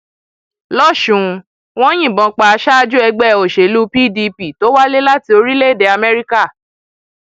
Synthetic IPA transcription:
lɔ˦˨ʃũ˨˧ | w̃ɔ̃˦j̃ĩ˦˨bɔ̃˨˧k͡pa˨a˧ʃa˦a˧d͡ʒu˦ɛ˧ɡ͡bɛ˦˨o˨ʃe˨lu˦pi˦˨di˧pi˦˨to˨˦wa˦le˦la˦ti˧o˧ɾi˦le˦˨de˧a˧mɛ˦ɾi˦ka˦˨

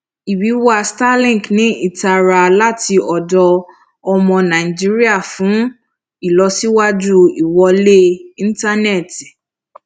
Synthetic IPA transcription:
i˨bi˨˦wa˦sta˦lĩ˦˨knĩ˨˦i˦˨ta˧ɾa˧la˦ti˧ɔ˨dɔ˧ | ɔ˧mɔ̃˧nã˨i˨d͡ʒi˦ɾi˦a˦˨fũ˨˦ | i˦˨lɔ˧si˦wa˦d͡ʒu˦i˨wɔ˧le˦ĩ˦n̩˦ta˦nɛ˦˨ti˨

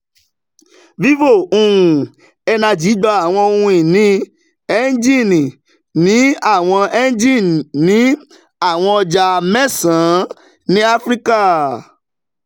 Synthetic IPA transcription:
vi˦vo˦˨ũ˨ | ɛ˧nã˧˨d͡ʒi˨˦dɔ˧a˦˨w̃ɔ̃˧o˧hũ˧i˨nĩ˦ | ɛ˦n˦d͡ʒi˦˨nĩ˨ | nĩ˨˦a˦˨w̃ɔ̃˧ɛ˦n˦d͡ʒi˦˨nĩ˨˦ | a˦˨w̃ɔ̃˧ɔ˧d͡ʒa˧mɛ˦˨sã˨˦ | nĩ˦a˦fɾi˦ka˦˨

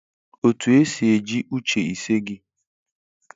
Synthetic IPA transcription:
o˨tu˨e˦si˨e˨d͡ʒi˦ʔu˦t͡ʃe˨i˨se˦ɡɪ˦

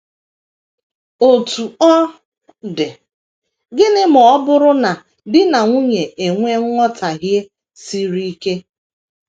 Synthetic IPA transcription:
o˨tu˨ɔ˦ | de˨ | ɡɪ˦nɪ˦m˨ɔ˦bʊ˦ɾʊ˦na˨ | dɪ˦na˨ŋʷu˦ɲe˨e˨ŋʷe˦ŋʷ˦ɔ˦tʰa˨ɦje˦ | si˦ɾi˦ke˦

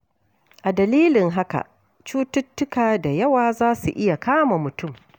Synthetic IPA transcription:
ʔa˨dɐ˨liː˦lɪ˨ŋɦa˦ka̰˨ | t͡ʃuː˦tʊ˦tːʊ˦kaː˨da˨jɐ˦waː˨zaː˦su˨ʔɪ˦ja˨kaː˦ma˨mʊ˨tʊ˦˨m

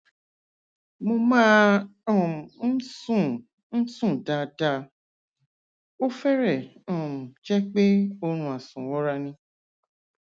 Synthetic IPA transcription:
mo˧mãː˦ɔ̃˦˨n̩˦s | n̩˦sũ˦˨da˧da˧ | o˦fɛ˦ɾɛ˦˨ɔ̃˨ũ˨d͡ʒɛ˦k͡pe˦o˦ɾ̃ũ˧a˨sũ˨wɔ˦ɾa˧nĩ˧

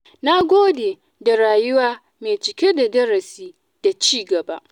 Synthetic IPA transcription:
na˦ɡʷoː˦deː˨ | da˨ɾaː˨jʊ˦waː˦ | me˨t͡ʃɪ˨kʲe˦da˨dɐ˦ɾɐ˨siː˦ | d̥a˨t͡ʃiː˦˨ɡɐ˨ba˦ʔ

